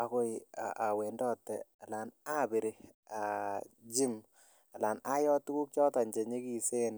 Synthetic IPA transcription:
a˨ko˦ɪa̰˨ʔa˨we˨ndɔ˦tːɛ̰˨a˨la˨na˦be˨ɾe˨ | a˨d͡ʒi˦m | a˨la˨na˦jɔ˦tu˦ku˦k̚t͡ʃɔ˦ta˨ɲd͡ʒe˨ɲe˦ki˨se˦n

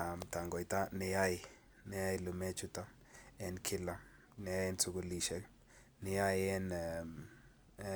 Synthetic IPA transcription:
a˨mta˨ŋɡɔ˨ɪ˨ta˦nɪ˨ja˦ɪ | nɪ˦ja˦ɪlʊ˨mɛ˦t͡ʃʊ˦ta˦ | ɛ˦nkʰɪ˦la˦ | nɪ˨ja˦jɛnsʊ˦ɡoliʃɛk | nɪ˨ja˦ɪɛ˦n

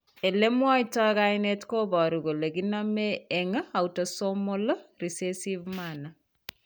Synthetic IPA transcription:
e˨le˦mwɔ˦itɔ˦ka˦ɪne˦tko˦bɔ˨ɾu˨ɡo˨le˨ɡina˦mee˨ŋ˦a˨uto˨so˦mo˦lɾi˨se˦si˦vmana˨

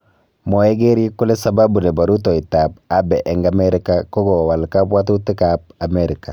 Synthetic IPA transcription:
mɔ˨ɛ˦ɡe˦ɾi˦kʊ˦le˦sa˨ba˦bu˨ne˨ba˨ɾu˦tɔ˨i˨ta˨pa˦bɛ˨ʔɛ˨ŋɡa˨mɛ˦ɾɪ˦ka˦kɔ˦ɡɔ˨wa˨lka˦bwa˦tu˦tɪ˦ka˨p̚a˨meɾi˨ka˨

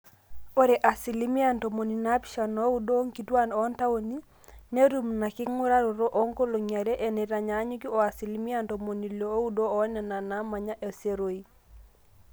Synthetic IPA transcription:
o˦ɾe˨ʔa˨si˨li˦mi˦a˦˨nto˨mo˨ni˨na˦pi̥˦ʃa˨no˦u˦do˦ŋki˨twa˦no˦nta˦wo˦ni˦ | ne˦ɾu˦mna˨ki˦ŋu˦ɾa˦ɾo˨ɾo˦ʔo˦ŋko˦lo˨ɲa˨ɾe˦ʔe˨ne˨ɾa˨ɲa˨˦ɲu˦ki˦o˨a˨si˨li˦mi˦a˦nto˨mo˨ni˨lo˨o˦u˦do˦ɔ˨˦nɛ˨na˨na˦ma˨ɲa˦ʔe˨se˦ɾo˨i˦

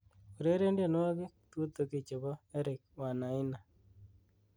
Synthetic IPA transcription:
u˨ɾe˦ɾe˦ndja˨n˦wa˦kɪ˦t̪wo˦t̪o˨˦ke˨t͡ʃe˨βɔ˦e˦ɾɪ˨k̚wa˨na˨ɪ˦na˨

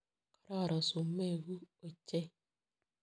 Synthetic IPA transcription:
kɔ˦ɾɔ˦˨ɾɔ˨su˨mːe˦˨ɣu˦o˨t͡ʃe˦

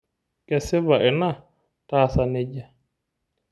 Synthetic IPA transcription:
kɛ˨sɪ˦βa˨ʔɪ˨na˦ | taː˦˨sa˨ne˦ɟa˨

